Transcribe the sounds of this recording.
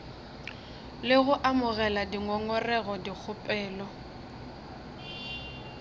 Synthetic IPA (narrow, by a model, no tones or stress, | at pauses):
lɪɣʊʔamʊɣɛladiŋɔŋɔrɛɣɔdik͡xʰʊpʼɛːlɔ